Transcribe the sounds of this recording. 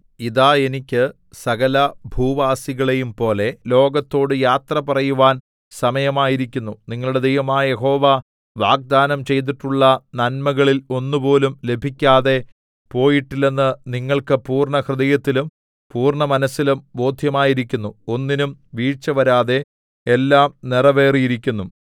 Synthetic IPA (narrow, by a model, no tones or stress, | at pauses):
iðaːenikʲːɨ | sɐɣɐlɐbʱuːʋaːsiɣɐɭe̞jumpo̞ːle̞lo̞ːɡɐt̪ːo̞ːɽɨjaːt̪rɐpɐrɐjuʋaːn | sɐmɐjɐmaːjiɾikʲːunːuniŋːɐɭuɽe̞d̪ejʋɐmaːjɐje̞ɦo̞ːʋa | ʋaːɡ̚d̪aːnɐmt͡ɕe̞jt̪̬iʈːuɭːɐnɐnmɐɣɐɭilo̞nːɨpo̞ːlumle̞bʱikʲːaːðe̞ | po̞ːjiʈːilːenːɨniŋːɐɭkɨpuːrɳɐhrɨd̪ɐjɐt̪ːilum | puːrɳɐmɐnɐsːilumbo̞ːd̪ʱjɐmaːjiɾik̬ʲːunːuo̞nːinumʋiːt͡ɕːɐʋɐɾaːðe̞ | elːaːmnirɐʋe̞ːrijiɾikʲːunːum